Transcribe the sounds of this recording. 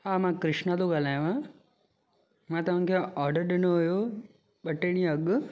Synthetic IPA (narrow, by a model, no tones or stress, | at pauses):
ɦamãkɾɪʂɳat̪oɡalajʋã | mãt̪ɐʋ̤ãŋkʰeɔːɾɖəɾɖɪnoɦojo | bɐʈːeɽ̃ĩəɡ